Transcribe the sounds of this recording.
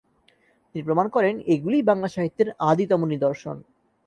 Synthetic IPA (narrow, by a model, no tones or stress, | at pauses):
t̪inipɾomankɔɾeneɡulijbaŋlaʃaɦit̪ːeɾad̪it̪ɔmunid̪oɾʃo̰n